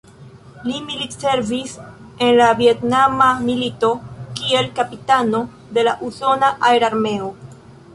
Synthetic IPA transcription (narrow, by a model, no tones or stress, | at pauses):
limilitse̞ɾvis | e̞nlavie̞tnamamilito̞kie̞lkapitano̞ | de̞laʔuso̞naʔaeɾaɾme̞o̞